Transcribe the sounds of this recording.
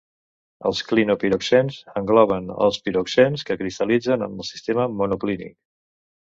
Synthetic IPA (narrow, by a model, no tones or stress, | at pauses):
əlˠsklinupiɾoksɛnzəŋɡlɔβ̞ənə̰lˠspiɾoksɛnskəkɾist̪əlid͡zənə̰mbəlˠsi̥st̪eməmunuklinḭk̚